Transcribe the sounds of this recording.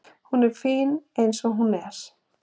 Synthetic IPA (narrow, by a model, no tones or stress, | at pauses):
hunɛɾ̥fiːnejnsɔɦunɛɾ̥